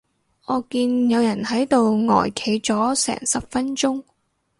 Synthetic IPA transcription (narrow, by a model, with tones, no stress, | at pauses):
ʔɔː˨˧kiː˧njɐ˨˧wjɐ˨˩nhɐ˨˥jt̪o˨wŋɔ̰ː˨˩jkʰe˨˧jt͡sɔː˨˥sɛ̰ː˨˩ŋsɐ˨p̚fɐ˥nt͡sʊ˥ŋ